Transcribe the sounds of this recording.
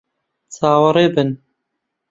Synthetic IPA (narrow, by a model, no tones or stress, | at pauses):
t͡sʰaːwɨɾeːbɨn